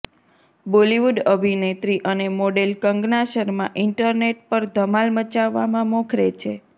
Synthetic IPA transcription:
boliʋuɖəbʱinet̪ɾiʔənemoɖelkəŋɡnaʃəɾmãʔɪɳʈəɾneʈ̚pəɾd̪ʱəmalmət͡ʃaʋːamãmɔ̃kʰɾet͡ʃʰe

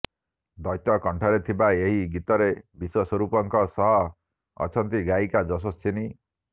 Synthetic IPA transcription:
d̪ɔjt̪ɔkɔɳʈʰɔɾet̪ʰibaeɦiɡit̪ɔɾebiswɔswɔɾupɔŋkɔsɔɦɔ | ɔ̰t͡ʃʰɔnt̪iɡaikad͡ʒɔs̬ɔst͡ʃʰini

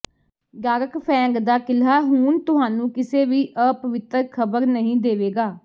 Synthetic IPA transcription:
ɡaːɾəkpʰɛ̃ːŋɡd̪aːkɪlaːɦuːnt̪ʊɦaːnũːkɪseːʋiːʔəpəʋɪt̪əɾkʰəbəɾnəɦĩːd̪eːʋeːɡaː

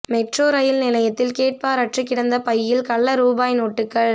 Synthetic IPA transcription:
mɛʈroːɾɐjɪlnɪlɐjɐt̪ːɪlkeːʈ̚paːɾɐʈrɯkːɪɽɐnd̪ɐpɐjːɪlkɐɭːɐɾuːbaːjnoːʈːɯkːɐɭ

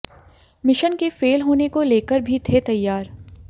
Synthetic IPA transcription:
mɪʃənkefeːlɦoːnekoleːkəɾbʱit̪ʰet̪ɐjːaːɾ

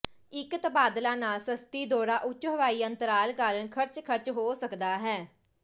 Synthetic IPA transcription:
ɪkt̪əbaːd̪lãːnaːlsəst̪iːd̪ɔːɾaːʔʊt͡ʃɦəʋaːiːənt̪əɾaːlkaːɾəɳkʰəɾt͡ʃkʰəɾt͡ʃɦoːsəkd̪aːɦɛː

